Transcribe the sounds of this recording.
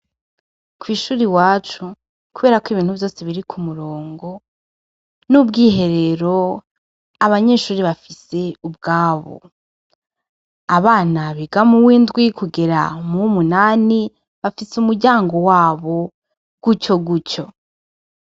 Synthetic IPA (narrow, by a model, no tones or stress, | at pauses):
kwiːʃuːɾiwaːt͡ʃu | kuβeːɾakwiβiːn̥huvjo̞ːseβiɾikʰumuɾo̞ːŋɡo̞ | nubɡiːɦe̞ɾe̞ɾo̞ | aβaɲe̞ːʃuːɾiβafise̞ub̚ɡaːβo̰ | aβaːnaβiɡamuwiːndɡwikuɡe̞ɾa̰mumunaːni | βafisumuɾɟaːŋɡo̞waːβo̞ | ɡ̥uco̞ɡuco̞